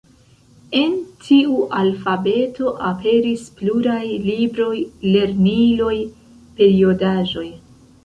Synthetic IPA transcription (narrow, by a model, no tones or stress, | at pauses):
e̞ntʰiuʔalfabe̞tʰo̞ʔape̞ɾispluɾajlibɾo̞jle̞ɾnilo̞j | pe̞ɾio̞daʒo̞j